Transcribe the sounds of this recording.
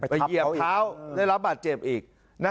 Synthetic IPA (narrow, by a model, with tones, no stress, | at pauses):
a˧˨˩ji˨˩əaː˦˥waː˥˩jla˦˥p̚baː˨˩t̪̚t͡ɕe˨˩p̚ʔiː˨˩k̚ | na˦˥